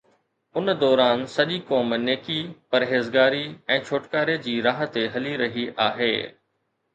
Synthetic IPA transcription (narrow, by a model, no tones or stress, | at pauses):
ʊnd̪ɔːɾaːnsɐʄikɔːmneːkipɐɾɦeːzɡaːɾiɛ̃ːt͡ɕʰoːʈkaːɾed͡ʑiːɾaːɦə̆t̪eɦɐliɾɐɦiʔaːɦḛː